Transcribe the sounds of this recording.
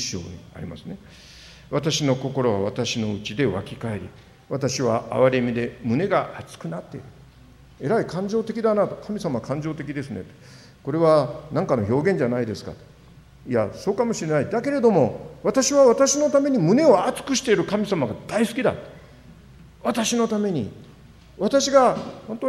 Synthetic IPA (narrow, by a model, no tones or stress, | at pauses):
ɕːo̰ːɲia̰ɾʲima̰sɨne̞ | βat̪aɕino̞ko̞ko̞ɾo̞βa̰βat̪aɕino̞ɯt͡ɕid̪e̞βa̰kʲikae̞ɾʲḭ | βat̪aɕiβa̰ʔa̰βaɾe̞mʲid̪e̞mɯ̟ne̞ɡaʔat͡sɨ̥kɯ̟nat̪ːe̞iɾɯ̟ | eɾaikãɲ̟d͡ʑo̞ːt̪e̞kʲid̪anat̪okʰamʲisamaβkʰãɲ̟d͡ʑo̞ːt̪e̞kʲid̪e̞sɨne̞t̪o̥ | ko̞ɾe̞βanãŋkanoçʲo̞ːɡẽ̞ɲ̟d͡ʑanaid̪e̞sɨ̥ka̰t̪o̥ | ia̰so̞ːkamo̞ɕiɾe̞naid̪ake̞ɾe̞d̪o̞mo̞βat̪aɕiβaβat̪aɕino̞t̪ame̞ɲ̟imɯ̟ne̞o̞at͡sɨ̥kɯ̟ɕi̥t̪e̞iɾɯ̟kamʲisamaɡad̪aisɨ̥kʲid̪a̰t̪o | βat̪aɕino̞t̪ame̞ɲ̟ḭ | βat̪aɕiɡahont̪o